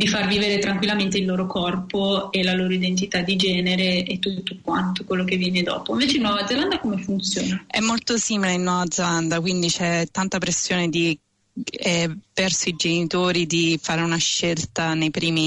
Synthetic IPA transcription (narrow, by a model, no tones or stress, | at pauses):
d̪ifarviveɾet̪ɾaŋkwilːament̪eilːoːɾokɔrpoelaloːɾoid̪ent̪̬it̪ad̪ːid͡ʒɛːneɾeet̪ːut̪ːokwant̪okwelːokevːjɛːned̪ɔ̰ːpoĩɱveːt͡ʃeinwɔvad̪zeland̪akomefunt̪sjoːnaɛ̰mːolt̪osiːmileinːwɔːvad̪zeland̪akwind̪it͡ʃɛt̪ːant̪apɾesːjoːned̪i | ɛpɛrsoid͡ʒenit̪oːɾid̪ifaːɾeunaʃːelt̪anejpɾiːmi